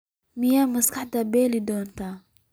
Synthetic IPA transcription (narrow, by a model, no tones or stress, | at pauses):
mɪjaːmɐskʰɐħd̪ɐbɛːlɪd̪ɔːnt̪ʰa